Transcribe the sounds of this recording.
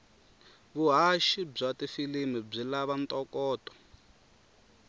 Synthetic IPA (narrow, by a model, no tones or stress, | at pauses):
βuɦaʃib͡ʐatifilimib͡ʐilaβant̪ʼɔkɔːtʼɔ̥